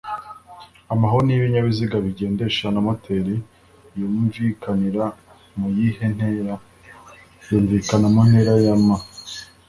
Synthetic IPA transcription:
amaɦoɾniβiɲaβiziɡaβiɟe̞ːnde̞ʃanamatʰeɾi | jomuɱvikaniɾa | mujihe̞n̥heɾa | joːɱvikanamon̥he̞ɾajama

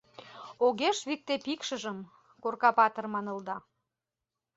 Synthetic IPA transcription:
oɣeʃβik̚t̪epikʃəʒəm | korkɑpɑt̪ə̆rmɑnə̆ld̪ɑ

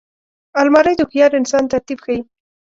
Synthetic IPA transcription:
almɑɾəjd̪ʊxjɑɾɪnsɑnt̪aɾt̪ibxai

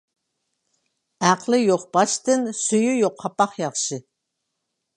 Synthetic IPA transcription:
æqʰlɨjoqb̥ɑʃt̪ɨnsyjyjoqʰːɑpɑχjɑχʃɨ

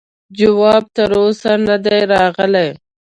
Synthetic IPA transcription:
d͡ʒawɑːb̚t̪əɾosanad̪ajɾɑːɣəlaj

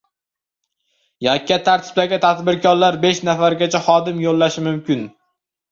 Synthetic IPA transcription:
jɒkʲːat̪ʰaɾt̪ʰɪ̥b̥̚laɡʲat̪ʰad̪bɪɾkʰɒɾlaɾbe̞ʃnafaɾɡʲat͡ʃʰaχɒd̪ɪmjolːaʃɪmʊmkʲʰɪn

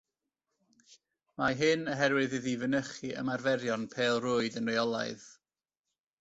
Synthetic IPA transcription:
maɦɨnəɦɛɾwɨðɨðivənəχiʔə̰marvɛɾjɔnpʰeːlˠrʊːɨdənrejɔlˠa̰ɨð

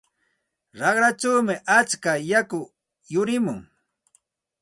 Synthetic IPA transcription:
ɾɑχɾat͡ʃawmɪʔat͡skajakʊ | jʊɾɪmʊŋ

